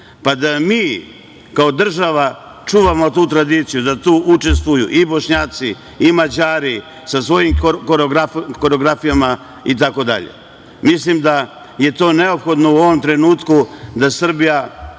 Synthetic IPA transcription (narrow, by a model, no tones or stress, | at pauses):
pad̪amiː | kaod̪r̩ʒaʋa | t͡ʂuːʋamo̞t̪uːt̪ɾad̪iːt̪sijud̪at̪uːʔut͡ʃe̞st̪ʋujṵʔibo̞ʃɲaːt̪si | imad͡ʑaːɾi | sasʋo̞jimkoɾoɡɾako̞ɾeoɡɾafijama | it̪̬ako̞d̪a̰ʎḛ | mislimd̪a | je̞t̪o̞ːne̞o̞pxo̞d̪no̞uo̞ʋo̞mt̪ɾe̞nuːt̪kud̪asr̩bija